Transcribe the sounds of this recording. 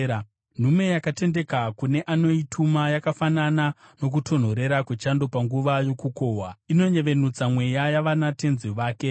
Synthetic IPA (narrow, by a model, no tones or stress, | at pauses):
n̤ume̞jakate̞nde̞kakune̞ʔano̞itʰumajakafananano̞k̬utʰo̞n̤o̞ɾe̞ɾakwet͡ʃando̞paŋɡuʋajo̞kuko̞ːɦwaino̞ɲe̞ʋe̞nut͡samwe̞jajaʋanate̞nziʋaːke̞